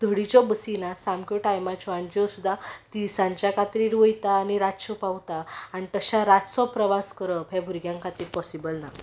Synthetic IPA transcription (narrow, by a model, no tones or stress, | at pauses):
d̪ʱəɽit͡ɕɔbəsinasamkjɔʈajmat͡ɕɔaɳd͡ʑɔsud̪ʱːat̪isãɲt͡ɕjakat̪ɾiːʈʋəjt̪aːñiɾat̪ɕɔpawt̪aːnit̪əɕaɾat̪sɔpɾəʋaskəɾəpʰebʱuɾɡjãŋkat̪iːɾpɔsibəlna